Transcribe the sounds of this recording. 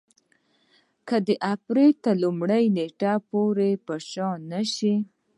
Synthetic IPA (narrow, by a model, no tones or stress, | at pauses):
kəd̪əʔapɾelt̪əlumɽəjneʈapoɾepəʃɑnaʃi